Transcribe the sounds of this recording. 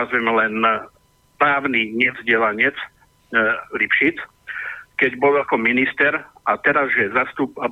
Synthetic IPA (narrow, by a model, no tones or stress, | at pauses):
azʋɛmɛlɛn | pɾaːʊniɲɛvzɟɪɛlaɲɪɛt͡s | lipʃit͡s | kɛɟbɔlakɔminist̪ɛɾat̪ɛɾazʒɛzast̪upa